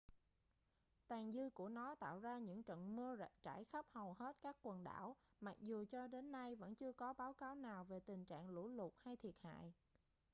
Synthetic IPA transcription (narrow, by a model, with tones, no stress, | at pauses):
t̪aː˨˩ŋzɨ˧ku˧˩ənɔ˨˦t̪a̰ː˧˨wzaː˧ɲɨ̰˧˥ŋt͡ɕə̰˧˨nmɨ˧ə˧˨t͡ɕa̰ː˧˩jxə˦˥p̚hə˨˩wɦe˦˥t̚kaː˦˥kːwə˨˩nɗa̰ː˧˩wma˨˩k̚zu˨˩t͡ɕɔ˧ɗe˨˦nːa˧jvə̰˧˥nt͡ɕɨ˧əkɔ˨˦ɓaː˨˦wkaː˨˦wnaː˨˩wve˨˩t̪ï˨˩ŋ̟t͡ɕa̰ː˧˨ŋlṵ˧˩lu˨˩t̚ha˧jt̪ʰi˨˩ət̚ha̰ː˧˨j